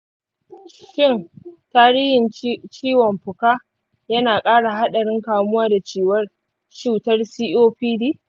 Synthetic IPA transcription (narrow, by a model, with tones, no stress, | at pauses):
ʃɪ˦˨ntaː˦ɾiː˦hɪ˨nt͡ʃiː˦wɔ˨mɸʊ˨kaː˦ | jɐ˦naː˨kʼaː˦ɽa˨ɦa˦ɗɐ˨ɽɪ˦ŋkaː˨mʊ˦waː˦da˨t͡ʃeː˦wɐ˦r | ʃu˨tɐ˦rsiː˦ʔoː˦ɸiː˦diː˦